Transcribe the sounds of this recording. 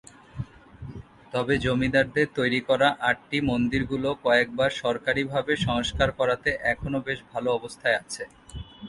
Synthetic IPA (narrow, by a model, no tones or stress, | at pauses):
t̪ɔbed͡ʑomid̪aɾd̪eɾt̪ojɾikɔɾaʔaʈ̚ʈimond̪iɾɡulokɔek̚baɾʃɔɾkaɾibʱabeʃɔŋoʃkaɾkɔɾat̪eʔɛkʰonobeʃbʱaloɔbost̪ʰaeat͡ɕʰe